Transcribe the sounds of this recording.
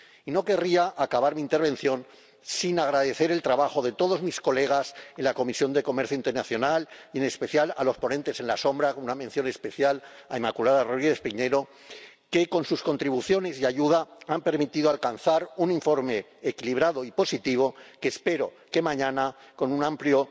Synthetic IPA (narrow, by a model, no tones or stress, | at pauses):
ino̞ke̞riaʔːkaβaɾmĩːnt̪e̞ɾβẽ̞n̟θjo̞n | sinaɣ̞ɾaðe̞θe̞ɾe̞lt̪ɾaβaxo̞ðe̞t̪o̞ðo̞zmisko̞le̞ɣ̞ase̞nlako̞misjo̞nd̪e̞ko̞meɾθjoint̪eɾnaθjo̞nalje̞ne̞spe̞θjalalo̞spo̞nent̪e̞se̞nlaso̞mbɾakonunamẽ̞nθjo̞nespe̞θjalaemakulaðaroðɾiespiɲe̞ɾo̞ | ke̞ko̞nsusko̞nt̪ɾiβuθjo̞ne̞sjaʝuðaampe̞ɾmit̪iðoalkanθaɾuniɱfo̞ɾme̞ː | kiliβ̞ɾaðo̞ipo̞sit̪iβ̞o̞kespe̞ɾo̞ | ke̞mãɲãnako̞nunãmpljo